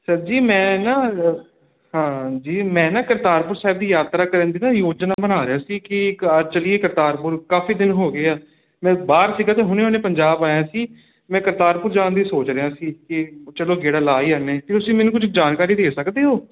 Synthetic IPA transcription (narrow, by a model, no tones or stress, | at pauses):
səd͡ʒiːmɛ̃ːnaː | hãːd͡ʒiːmɛ̃ːnãːkəɾt̪aːɾpʊɾsaːɪb̚d̪iːjaːt̪ɾaːkəɾə̃ːnd̪iːnaːjoːd͡ʒnaːbənaːɾɪjaːsiːkɪət͡ʃəlieːkəɾt̪aːɾpʊɾkaːfiːd̪ɪnɦoːɡeːaː | mɛ̃ːbaːɾsiːɡaːt̪eːɦʊneːoːneːpəɲd͡ʒaːbaːjãːsiː | mɛ̃ːkəɾt̪aːɾpʊɾd͡ʒãːnd̪iːsoːt͡ʃɾejãːsiːkɪt͡ʃəloːɡeːɽaːlaːiːəneːpɪʊsĩːmɛːnũːkʊt͡ʃʰkd͡ʒaːnkaːɾiːd̪eːsəkd̪eːɦoː